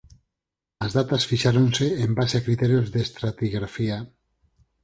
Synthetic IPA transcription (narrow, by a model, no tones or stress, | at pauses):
azðat̪asfiʃaɾonseembaseakɾit̪ɛɾjozðest̪ɾat̪iɣɾafia